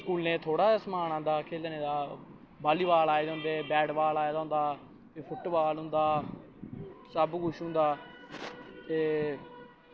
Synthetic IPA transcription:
skuːlnẽːt̪ʰoːɽaːsmaːnãːnd̪aːkʰeːlneːd̪aː | baːliːʋaːlaːeːd̪ɦʊ̃nd̪eːbɛːɽʋaːlaːeːd̪aːɦʊ̃nd̪aː | pepʰʊʈʋaːlɦʊ̃nd̪aː | səbkʊʃɦʊ̃nd̪aː | t̪eː

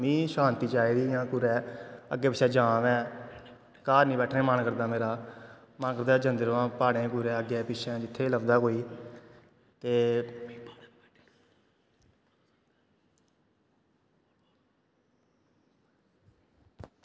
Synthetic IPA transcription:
mĩːʃãːnt̪iːt͡ʃaːiːd̪iːjãːkuɾɛːə̰ɡːeːpɪʃʰɛ̃ːd͡ʒãːʋɛ̃ː | kaːɾnĩːbɛːʈʰnẽːmənkəɾd̪aːmeːɾaː | mənkəɾd̪aːd͡ʒənd̪əɾʋãːpaːɽẽːkuːɾɛːəɡeːpɪʃʰɛ̃ːd͡ʒɪt̪ʰːeːləʋd̪aːkoːiː | t̪eː

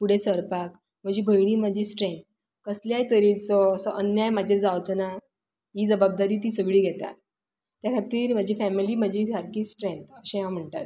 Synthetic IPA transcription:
puɽ̤esəɾpak | m̤əd͡ʑiːbʱəjɽ̃iːm̤əd͡ʑʱiːsʈɾẽnt̪̚ | kəsljajt̪əɾit͡sɔəsəʔənjajmad̪ʱjaɾd͡zaʋt͡səna | ɦiːd͡zəbab̚d̪aɾiːt̪̬iːsəɡɭiːɡʱɛt̪a̰t̪ | t̪jakʰat̪iːɾm̤ad͡ʑʱiːfæmiliːməd͡ʑikaɾkiːsʈɾent̪əɕãʋam̤əɳʈ̪a̰ɾ

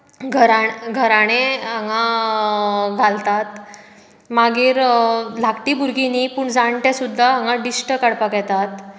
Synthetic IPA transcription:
ɡʱəɾaɡʱəɾaɽ̃eãŋã | ɡʱalt̪at̪ | maɡiːɾlʱakʈibuɾɡinipuːɳd͡zaɳʈjasud̪ʱːaɦãŋɡãɖisʈəkəɽpakajt̪at̪

